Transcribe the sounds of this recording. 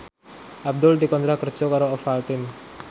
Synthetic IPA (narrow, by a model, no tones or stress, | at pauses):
ʔab̚d̪ʊld̪ikɔnt̪ɾakər̥d͡ʒ̥ɔkaɾoɔfalt̪ɪn